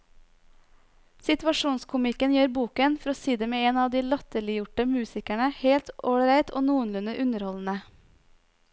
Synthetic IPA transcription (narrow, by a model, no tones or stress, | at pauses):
sɪt̪ʋɑʃuːnskʰʊmɪkənjeːɾbuːkənfɔɾoːsiːd̪əmeːeːnɑːʋd̪iːlɑt̪əɭɪjʊʈəmʉːsɪkæɳəheːlt̪ʔoːɾæɪt̪ʰo̰ːnuːənlʉnəʔʉnəɾhɔln̩ə